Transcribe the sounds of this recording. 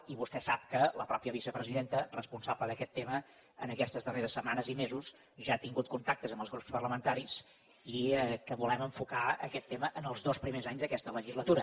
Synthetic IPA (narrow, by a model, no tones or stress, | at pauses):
iβust̪ɛsap̚kələpɾɔpiəβisəpɾəziðent̪ərəspunsabləðəkɛt̪ːemə | ə̰nəkɛst̪əzðəreɾəsːəmanəzimezus | ʒaːt̪iŋɡut̪̚kunt̪ak̚t̪əzəmbəlˠzɣɾupspərləmənt̪aɾis | ikəβulɛməɱfukaə̰kɛt̪ːeməʔənəlˠzðospɾimezaɲzðəkɛst̪ələʒizlət̪uɾə